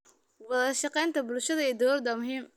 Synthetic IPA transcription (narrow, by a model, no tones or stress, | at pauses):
wɑðɐʃɑqɛjnt̪ʰɐbʊlʃɐðɐiːd̪ɐlɔrd̪ɐmʊɦiːm